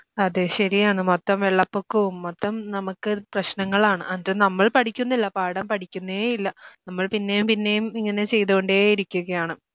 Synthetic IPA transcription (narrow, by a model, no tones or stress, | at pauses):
ɐðɨɕɐɾijaːɳɨmot̪ːɐmʋeɭːɐpːokːuumːot̪ːɐmnɐmukːɨprɐɕnɐŋːɐɭaːɳɨʔɐndɨnɐmːɐɭpɐʈʰikʲːunːilːɐpaːɽɐmpɐʈʰikʲːunːɐeeilːɐnɐmːɐɭpinːe̞jumpinːe̞jumiŋːɐne̞t͡ɕe̞jt̪uɣo̞ɳɖeːiɾikʲːuɣɐjaːɳɨ